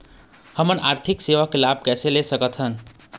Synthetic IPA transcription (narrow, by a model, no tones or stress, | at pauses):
həmənaːɾt̪ʰɪkseːʋakelaːb̚kɛːselesəkət̪ɦən